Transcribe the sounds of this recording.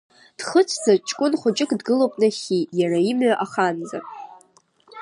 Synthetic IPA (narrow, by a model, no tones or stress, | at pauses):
d̥χət͡ʃʷʰd͡zat͡ʃʼkʷʼʊnχʷʊt͡ʃʼɪkʼdɡɨlowpʼnaχʲijaraimʕaʔaχanza̰